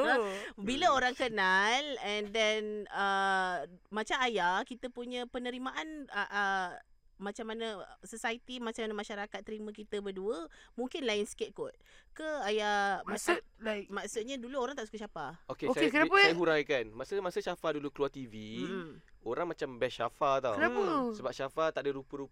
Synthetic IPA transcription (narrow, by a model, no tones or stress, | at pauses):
biləoɾaŋkənalɛndɛnə | mat͡ʃamajakit̪əpuɲə̃pənəɾimaʔanəʔə | mat͡ʃamːanasosajt̪imat͡ʃamanamaʃaɾakat̪̚ːəɾimãkit̪əbəduəmũŋkɪnlaɪnsket̪̚kɔt̪̚kəajamast̚lakmasut̪̚ɲaduluoɾaŋt̪aʔsu̥kaʃapaokeosakənapəajhuɾajkanmasəmasəʃafadulukəluat̪ivi | oɾaŋmat͡ʃambɛʃafat̪awənaəsəbap̚ʃafat̪aʔdəɾupəɾup